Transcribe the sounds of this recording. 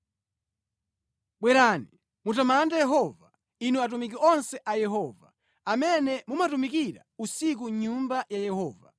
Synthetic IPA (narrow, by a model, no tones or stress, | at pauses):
ɓwɛɾaːni | mutamandajɛɦɔva | inuat̬umik̬iɔnsɛʔajɛɦɔːva̰ | amɛnɛmumatumikiɾa̰usik̬uɲumbajajɛhɔːva̰